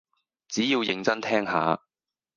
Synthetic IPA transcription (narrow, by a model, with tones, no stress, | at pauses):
t͡siː˨˥jiː˧wjɪ˨˧ŋt͡sɐ˥nt̪ʰɛː˥ŋɦa̰ː˨˧